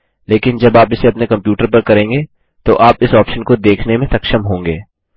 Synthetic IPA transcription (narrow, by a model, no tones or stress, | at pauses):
leːkɪnd͡ʒɐbaːpɪseɐpnekɐ̃mpjuːʈəɾpɐɾkɐɾẽːŋɡeː | t̪oʔaːpɪsɔːpʃənkod̪eːkʰnemẽt̪ɐkʃəmɦõːŋɡeː